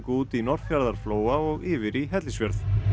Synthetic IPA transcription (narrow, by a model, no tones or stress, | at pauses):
kuːt̪inɔr̥fjaɾðaɾ̥floːwaɔɣɪːvɪɾiɦɛt̪lisvjɛɾθ